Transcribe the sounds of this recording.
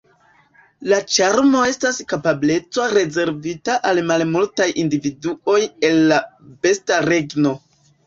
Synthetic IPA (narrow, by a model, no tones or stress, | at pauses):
lat͡ʃaɾmo̞e̞staskapable̞t͡soɾe̞ze̞ɾvitaʔalmalmultajʔindividuo̞je̞lːabe̞staɾe̞ɡno̞